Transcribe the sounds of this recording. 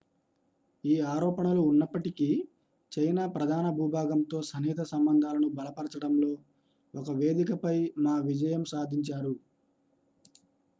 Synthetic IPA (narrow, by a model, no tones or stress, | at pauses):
iːaːɾɔːpɐɳɐluːnːɐpːɐʈiki | t͡ʃɐjnaːpɾɐd̪ʱaːnɐbʱuːbʱaːɡɐmt̪o̞ːsɐniːt̪ɐsɐmbɐnd̪ʱaːlɐnubɐlɐpɐɾɐt͡ʃɐɽɐmlo̞ː | ɔkɐʋe̞ːd̪ikɐpɐjmaːʋid͡ʒɐjɐmsaːd̪ʱiɲt͡ʃaːɾu